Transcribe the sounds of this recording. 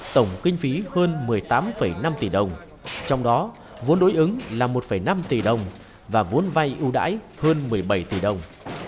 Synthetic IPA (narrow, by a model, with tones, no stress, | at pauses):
t̪ə˧˩wŋ͡mkï˧ŋ̟fi˨˦həː˧nmɨ˨˩əjt̪aː˨˦mfə˧˩jna˧mt̪i˧˨˩ɗə˨˩wŋ͡m | t͡ɕɔ˧wŋ͡mɗɔ˨˦ | vu˨˦ənɗo˨˦jʔɨ˨˦ŋlaː˨˩mo˨˩t̚fə˧˩jna˧mt̪i˨˩ɗə˨˩wŋ͡m | vaː˨˩vu˨˦ənva˧jʔɨ˧wɗa̰ː˧˥j | həː˧nmɨ˨˩əjɓə˧˩jt̪i˧˩ɗə˨˩wŋ͡m